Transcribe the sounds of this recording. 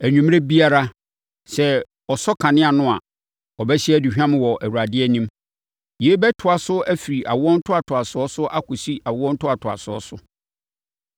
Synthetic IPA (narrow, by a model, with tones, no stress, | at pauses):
æ˨ɲᶣũ˨m˦e˦bi˦a˦ɾa˦ | sɛ˦ | ɔ˨sɔ˦kʰã˨nɪ̃˦a˨nʊ̃˦a̰˨ | ɔ˨bɛ˦ɕɪ˦ɛ˦di˨ɕᶣã˦m̃˦wɔ˨ʔæ˨wu˨ɾa˨dɪ˦ɛ˦nĩ˦m | je˨˦bɛ˦tʰʊ˨a˨sʊ˦æ˦fi˨ɾi˨ʔa˨wɔ̃˦n̩˦tʰʊ˦a˨tʰʊ˨a˨sʊ˦ɔ˦sʊ˦ʔa˦kʊ˨si˦ʔa˨wʊ˦ɔ̃˦n̩˦tʊ˦a˨tʰʊ˨a̰˨sʊ˨˦ɔ˦sʊ˦